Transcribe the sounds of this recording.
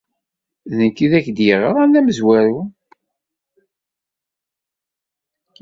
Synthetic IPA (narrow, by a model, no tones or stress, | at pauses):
ðəkːiðæçd̪jəʁəɾˤænːæməzwæɾu